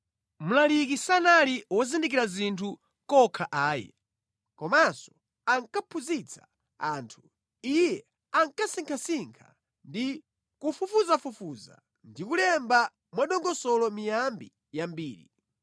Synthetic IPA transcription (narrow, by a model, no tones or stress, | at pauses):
mulalikisanaliwɔzindik̬iɾazintʰu | kɔkʰaʔaːjɛ̰ | kɔmasɔ̥ | aŋkapʰuzit͡sʰḁ̰ | aːntʰu̥ | ijɛ | aŋkasiŋkʰasiŋkʰa̰ | ndi | kufufuzafufuza̰ | ndikulɛmba | mwaɗɔŋɡɔsɔlɔmijambi | jambiːɾḭ